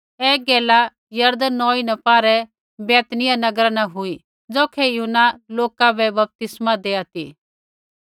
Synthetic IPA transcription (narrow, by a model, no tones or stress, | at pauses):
ɛːɡeːla | jɐɾd̪nːɔːinɛpaːɾɛ | bɛːt̪nɪjanɐɡɾanaɦʊi | d͡zoːkʰɛjʊnːaloːkabɛbɐp̚t̪ɪsmad̪eːat̪ḭː